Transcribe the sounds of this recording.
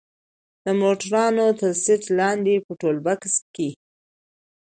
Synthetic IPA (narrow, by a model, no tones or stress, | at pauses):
d̪̥əmoʈaɾɑnot̪əɾsɪt̪lɑnd̪epəʈolbakske